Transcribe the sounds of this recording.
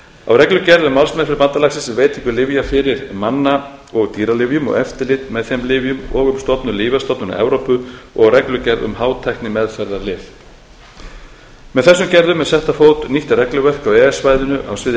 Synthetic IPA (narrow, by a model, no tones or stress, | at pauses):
a̰wrɛklʏcɛɾðʏmːalsmɛðfɪɾɪpant̪alaksɪsɛveːjt̪ʰiŋkʏlɪvjafɪɾɪɾmanːaɔɣt̪iːɾalɪvjʏmɔ̰ɣɛft̪ɪlɪt̪mɛðθɛjmlɪvjʏmɔɣʏmst̪ɔpnʏliːvast̪ɔp̪nʏna̰ɛ̰vɾowpʏɔ̰ɣarɾɛklʏcɛɾðʏ̰mhaːwt̪ʰajhk̪nɪmɛðfɛɾðalɪːv | mɛðθɛsːʏmcɛɾðʏmːɛðsɛht̪afoːwt̪niht̪aɾɛklʏvɛr̥kawɛɛsvajðʏnʏʔa̰wsvɪ